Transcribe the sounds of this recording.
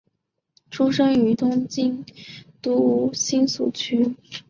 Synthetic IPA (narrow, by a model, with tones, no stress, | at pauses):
ʈ͡ʂʰu˥ʂɤ˥ŋy˧˥t̪ʊ˥ŋt͡ɕi˥nt̪u˧˥u˥˩ɕi˥nsṵ˨˩t͡ɕʰy˥